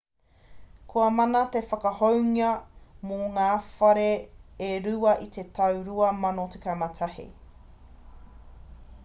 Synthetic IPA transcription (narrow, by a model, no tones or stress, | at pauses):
kʰoɐmɐnɐt̪efɐkɐhowŋiɐmoŋaːfɐɾeː | ɾʉɐʔit̪ʰe̞t̪ʰɐwɾuɐmɐnotekamɐt̪ʰɐhḭ